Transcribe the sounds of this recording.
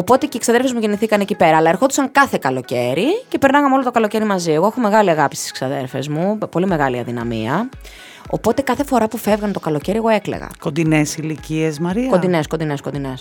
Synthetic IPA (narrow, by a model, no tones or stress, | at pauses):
opo̞t̪eceiksɐðe̞ɾfezmuʝeniθikɐnecipe̞ɾɐːlɐe̞ɾxo̞t̪usɐŋkɐθe̞kɐlo̞ceɾice̞peɾnɐɣɐmeo̞lot̪o̞kɐlo̞ce̞ɾimɐzioeɣoexo̞me̞ɣɐliɐɣɐpi̥st̪i̥sksɐðe̞̰ɾfe̞̰zmupo̞lime̞ɣɐliɐ̰ðinɐ̰mḭɐ | o̞̰po̞t̪e̞kɐθe̞fo̞ɾɐpufe̞vɣɐnt̪o̞kɐlo̞ce̞ɾie̞ɣo̞e̞kle̞̰ɣɐ̰kond̪inesiliciesmɐɾiko̞nd̪ineskond̪ine̞skond̪ines